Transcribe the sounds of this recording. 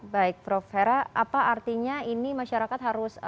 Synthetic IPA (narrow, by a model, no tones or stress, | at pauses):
baɪk̚fɾɔfeɾaapaʔart̪iɲainimaʃaɾakat̪ɦaɾʊs